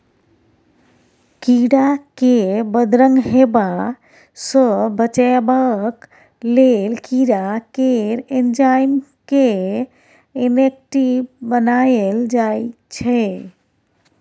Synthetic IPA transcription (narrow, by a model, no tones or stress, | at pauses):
kiɽakebəd̪ɾəŋɡɦeba | səbət͡ʃabak | lelkiɽakeɾend͡ʒajn | ke | enek̚ʈibbənajeld͡ʒajt͡ʃʰɛ